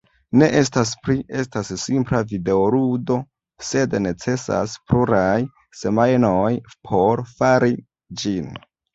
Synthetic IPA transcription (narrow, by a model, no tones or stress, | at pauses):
ne̞ʔe̞staspɾiʔe̞stasːimplavide̞oɾudo̞ | se̞dne̞t͡se̞sa̰spluɾaj | se̞majnojpʰo̞ɾfaɾi | d͡ʒin